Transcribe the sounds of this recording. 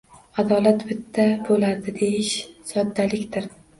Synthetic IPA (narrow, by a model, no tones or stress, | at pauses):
ad̪ɒlat̪bɪt̪ʰːabolad̪ɪd̪e̞jɪʃsɒd̪ːalɪkʲt̪ɪɾ